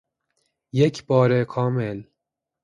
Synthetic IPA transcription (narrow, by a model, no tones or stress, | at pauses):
jecʰbɒːɾekʰɒːmel